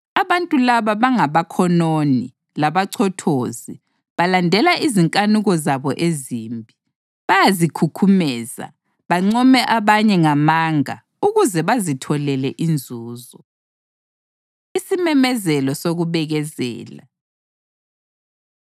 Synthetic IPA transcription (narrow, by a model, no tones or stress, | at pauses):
aβantʼulaβaβaŋaβakʰɔnoni | laβaǀʰɔtʰoːzi | βalandʱɛlaʔiziŋkʼanuɣɔzaβɔʔeziːmbʱi | βajazikʰukʰumɛːza̰ | βaŋ͡ǀɔmɛʔaβaɲɛŋamaŋa̰ | uɣuzɛβazitʰɔlɛlɛʔind͡zʱuːzɔ | isimɛmɛzɛlɔsoɣuβɛɣɛzɛ̰ːla̰